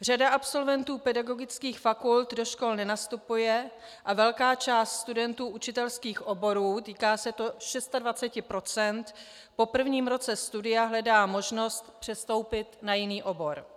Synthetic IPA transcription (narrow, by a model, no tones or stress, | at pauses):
r̝adaʔapso̞lvɛnt̪uːpɛdaɡo̞ɡɪt͡skiːxfakult̪do̞ʃko̞lnɛnast̪upujɛ | ʔavɛlkaːt͡ʃaːst̪st̪udɛnt̪uːʔut͡ʃɪt̪ɛlskiːxʔo̞bo̞ɾuːt̪iːkaːsɛt̪o̞ʃɛst̪advat͡sɛcɪpɾo̞t͡sɛnt̪ | po̞pr̩vɲiːmɾo̞t͡sɛst̪udɪjaɦlɛdaːmo̞ʒno̞st̪pr̝̥ɛst̪o̞wpɪt̪najɪniːʔo̞bo̞ɾ